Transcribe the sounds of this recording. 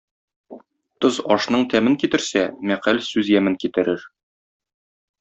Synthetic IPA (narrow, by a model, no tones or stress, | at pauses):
t̪ozɒʃnɤɴt̪ʰæmɘŋkit̪ɘ̆ɾsæmæqælsʉzjæmɘŋkit̪ɘ̆ɾɘɾ